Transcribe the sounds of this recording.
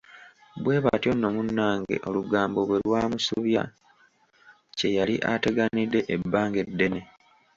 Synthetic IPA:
bwe̞ːβatjo̞nːo̞munːaːŋɡe̞̰ʔo̞luɡaːmbo̞βwe̞lwaːmusuβja̰ | ce̞jaliʔate̞ɡanidːe̞ʔebːaːŋɡe̞dːe̞ne̞

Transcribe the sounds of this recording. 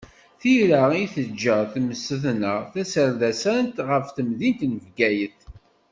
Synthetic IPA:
θiɾaiθəd͡ʒːəθməsːəθnəʁθæsəɾðæsænt̪ʁəfθəmðint̪nəvɡæjəθ

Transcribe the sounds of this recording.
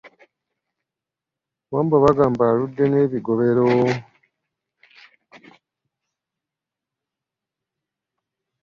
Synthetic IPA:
βaːmbaβaɡaːmbaɾudːeneβiɡoβe̞ɾo

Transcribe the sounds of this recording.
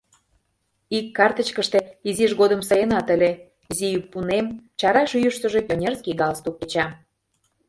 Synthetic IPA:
ikːɑrt̪ət͡ɕkəʃt̪e̽iziʃɣod̪ə̆msɤjənɑt̪ə̆lʲe | izijypːunemt͡ɕɑɾɑʃyjəʃt̪ə̆ʒe̽pjonʲerskiɡɑlst̪ukːet͡ɕɑ

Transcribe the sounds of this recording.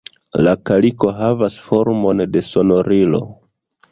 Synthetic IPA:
lakaliko̞ɦavasfo̞ɾmo̞nde̞so̞no̞ɾilo̞̰

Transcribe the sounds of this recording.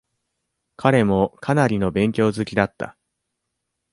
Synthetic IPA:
kʰaɾe̞mo̞kʰanaɾʲino̞bẽ̞ŋkʲo̞ːzɨkʲid̪at̪ːa̰

